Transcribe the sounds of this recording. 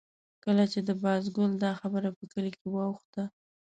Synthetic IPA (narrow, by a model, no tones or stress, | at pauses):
kəlat͡ʃed̪əbɑzɡʊld̪ɑxabəɾapəkəlikewɑwxt̪a